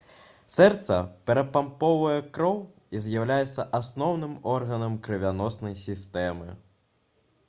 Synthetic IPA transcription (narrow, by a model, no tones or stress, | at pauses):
sɛrt̪sɐpʲɛɾɐpampɔvɐjɛkɾɔw | izʲjawlʲajɛt̪sːɐʔasnɔwnɨmɔrɣɐnɐmkɾɨvʲanɔsnɐjsʲist̪ɛmɨ